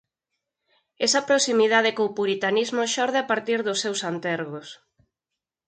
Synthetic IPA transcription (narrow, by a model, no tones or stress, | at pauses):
ɛsɐpɾosimiðaðɪkoːpuɾit̪anizmoʃɔɾðɪapaɾt̪iɾðʊsːewsant̪ɛɾɣos